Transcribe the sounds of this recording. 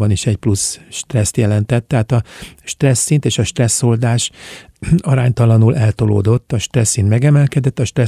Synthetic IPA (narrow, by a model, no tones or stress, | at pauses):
bɒniʃɛɟplusʃt̪rɛst̪jɛlɛnt̪ɛt̪ːɛɦaːt̪ɒʃt̪rɛsːint̪eːʃɒʃt̪rɛsːo̞ld̪aːʃ | ɒɾaːɲt̪ɒlɒnulʔɛlt̪o̞lo̰ːd̪o̞t̪ːɒʃt̪rɛsːinmɛɡɛmɛlkɛd̪ɛt̪ːɒʃt̪rɛ